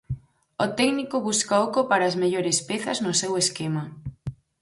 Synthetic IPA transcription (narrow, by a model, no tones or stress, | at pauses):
ot̪ɛknikoβuskaokopaɾaːzmeʎoɾespeθɐznʊseweskema